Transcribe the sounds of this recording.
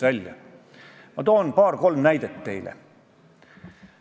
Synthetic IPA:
ælʲjɑ | mɑt̪oːnpɑːrko̞lmnæjd̪̥et̪ːe̞̰jlḛ

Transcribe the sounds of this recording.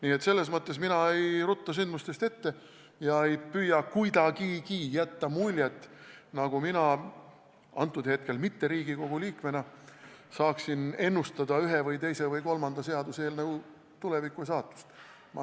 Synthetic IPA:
niːet̪se̞lːe̞s̬mɤt̪ˑːe̞sminɑe̞jrut̪ˑːɑs̬ynd̪must̪e̞st̪e̞t̪ːe̞ | jɑe̞jpyːjɑkujd̪ɑɡikijæt̪ːɑmulʲjet̪ːˑnɑɡ̥uminɑ | ɑ̰nt̪ːˑud̪̥he̞t̪̚ke̞lmit̪ːe̞ɾiːɡ̥iko̞ɡ̥uliːkme̞nɑsɑːksine̞nːust̪ɑd̪ɑyɦevɯjt̪e̞jse̞vɯjko̞lmɑnd̪̥ɑse̞ɑd̪use̞ːlnɑɡ̥u | t̪ulevikːˑus̬ɑːt̪ːˑu̥st̪ | m

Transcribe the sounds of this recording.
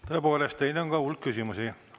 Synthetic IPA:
t̪o̞epo̞ːle̞st̪t̪ejneoŋkɑulkkysimusi

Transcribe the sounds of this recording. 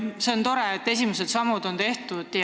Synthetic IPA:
se̞ont̪o̞ɾeːt̪ːe̞sʲimese̞d̪sɑmud̪o̞nt̪e̞ht̪ud̪̥j

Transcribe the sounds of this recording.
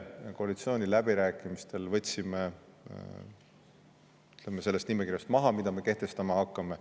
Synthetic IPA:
ko̞ɑlit̪sio̞ːnʲilæbiɾæːkːˑimist̪e̞lvɤ̞t̪ʲːsime | yt̪lemːese̞lːest̪nimekirjɑst̪mɑɦɑmid̪̥ɑme̞ke̞ht̪e̞st̪ɑmɑhɑkːɑme

